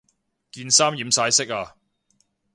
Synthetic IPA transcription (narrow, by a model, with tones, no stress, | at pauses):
kiː˧nsaː˥mjiː˨˥msaː˨˥jsɪ˥k̚aː˧